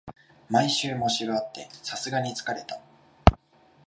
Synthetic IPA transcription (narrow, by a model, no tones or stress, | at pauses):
maiɕɨːmo̞ɕiɾoat̪ːe̞sasɨɡaɲ̟it͡sɨ̥kaɾe̞t̪a